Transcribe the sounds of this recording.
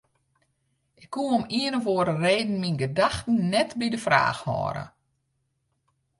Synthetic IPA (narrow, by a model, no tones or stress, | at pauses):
ʔɪkʰːuomiənəʋoəɾəreːdn̩minɡədaxtn̩nɛtbidəfra̰ːxhɔ̰ːɾə̰